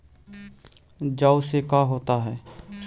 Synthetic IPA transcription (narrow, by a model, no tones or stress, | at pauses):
d͡ʒaːusekaːɦoːt̪aɦɛː